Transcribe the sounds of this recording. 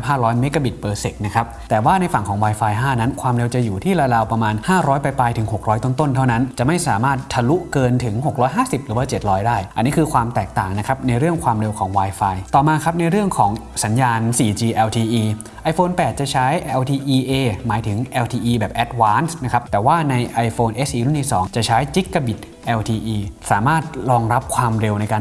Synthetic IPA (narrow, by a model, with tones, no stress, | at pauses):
p̚ɦaː˥˩lɔː˦˥nme˦˥kːa˧bi˨˩t̪̚pɤː˧se˨˩k̪̚na˦˥kʰa˦˥p̚t̪ɛː˨˩waː˥˩na˧jfa˨˩ŋkʰɔː˩˦ŋwaː˧jfaː˧jɦaː˥˩na˦˥nkʰwaː˧mɾe˧wt͡ɕa˨˩juː˨˩t̪ʰiː˥˩ɾaː˧laː˧wpɾa˧maː˧nhaː˥˩ɾɔː˦˥jpa˧jpaː˧jt̪ʰɯ˩˦ŋɦo˨˩k̚ɾɔː˦˥jt̪o˥˩nt̪o˥˩nt̪ʰa˥˩wna˦˥nt͡ɕa˨˩ʔma˥˩jsaː˩˦maː˥˩t̪ʰːa˧lu˦˥ʔkɤː˧nt̪ʰɯ˩˦ŋɦo˨˩k̚ɾɔː˦˥jɦaː˥˩si˨˩p̚ɾɯː˩˦waː˧˩t͡ɕe˨˩t̪̚ɾɔː˦˥jdaː˥˩jʔa˧nːiː˦˥kʰɯː˧kʰwaː˧mt̪ɛː˨˩k̚t̪aː˨˩ŋna˦˥kʰa˦˥p̚na˧jɾɯ˥˩əŋkʰwaː˧mɾe˧wkʰɔː˩˦ŋwaː˧jfaː˧jt̪ɔː˨˩maː˧kʰa˦˥p̚na˧jɾɯ˥˩əŋkʰɔː˩˦ŋsa˩˦njaː˧nsiː˨˩t͡ɕiː˧ʔɛː˧wt̪ʰiː˧ʔiː˧ | ʔa˧jfoː˧npɛː˨˩t̪̚t͡ɕa˨˩t͡ɕʰa˦˥jʔɛ˧wt̪ʰiː˧ʔiː˧ʔeː˧maː˩˦jt̪ʰɯ˩˦ŋʔɛː˧wt̪ʰiː˧ʔiː˧bɛː˨˩p̚ʔɛ˦˥t̪̚waː˦˥nsna˦˥kʰp̚t̪ɛː˨˩waː˥˩na˧jʔa˧jfoː˧nʔe˦˥sʔiː˧ɾu˥˩nt̪ʰiː˧˥˩sɔ̰ː˩˦ŋt͡ɕa˨˩t͡ɕʰa˦˥jt͡ɕi˦˥kːa˧bi˨˩t̪̚ | ʔɛː˧wt̪ʰiː˧ʔiː˧saː˩˦maː˥˩t̪̚ɾɔː˧ŋɾa˦˥p̚kʰwaː˧mɾe˧wna˧jkaː˧n